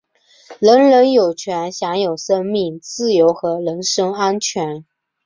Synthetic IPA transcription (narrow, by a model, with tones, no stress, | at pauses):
lə˧˥nɻə˧˥njo˨˩ʊt͡ɕʰɥɛ˧˥nɕjɑ˧˥ŋjo˨˩ʊʂə˥ŋmi˥˩ŋt͡sɹ̩˥˩jo˧˥ʊxɤ˧˥lə˧˥nʂɤ˥ŋa˥nt͡ɕʰɥɛ˧˥n